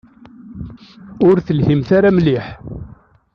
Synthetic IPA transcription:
ʊɾθəlhimθaɾamliħ

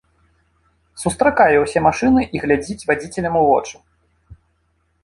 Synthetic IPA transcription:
sust̪ɾakajɛwsʲɛmaʂɨnɨʔiɣlʲad͡zʲit͡sʲvad͡zʲit͡sʲɛlʲɐmuvɔ̰t͡ʂu̥

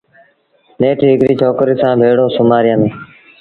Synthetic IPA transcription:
neːʈːɦɪkɾiːt͡ʃʰoːkɾiːsãːbʱeːɽoːsʊmaːɾɪjənː

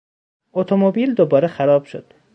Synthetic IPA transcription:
ot̪ʰomobiːld̪obɒːɾexæɾɒːb̥ʃod̪̥

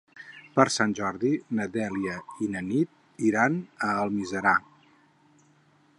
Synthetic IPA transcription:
pəɾsanʲʒɔɾðinəd̪ɛliəinənit̪̚ | iɾanəːlˠmizəɾa

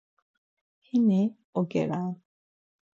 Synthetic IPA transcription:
hine | oɡḛɾan

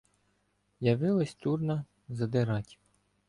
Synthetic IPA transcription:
jɐʋɪlˠɐsʲt̪urnɐ | zɐd̪ɪɾɑtʲ

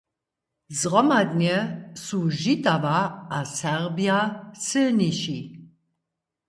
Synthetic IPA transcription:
zʁɔmad̪niɛsuʒit̪ʼavaːsɛʁbiasəniʃi

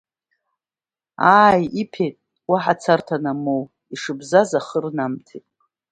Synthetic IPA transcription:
aːjipʰejtʼ | waħat͡sʰartʰanamow | iʂɨbzazaχərnamtʰetʼ

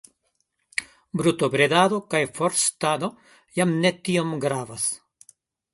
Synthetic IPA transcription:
bɾutobɾedad̪o̞kajfoɾstad̪o̞ | jamne̞tio̞mɡɾavas

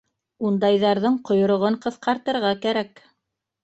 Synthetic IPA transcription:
und̪ɑjðɑɾðɤɴqŏjŏɾŏʁɤɴqɤ̆θqɑɾt̪ɤ̆ɾʁɑkæɾæk

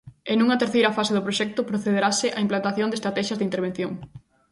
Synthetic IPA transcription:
enuŋɐt̪eɾθejɾɐfasɪðʊpɾoʃɛk̚t̪ʊpɾoθeðeɾasɪʔaimplant̪aθjõnd̪est̪ɾat̪ɛʃjɐzðɪint̪eɾβẽn̟θjoŋ

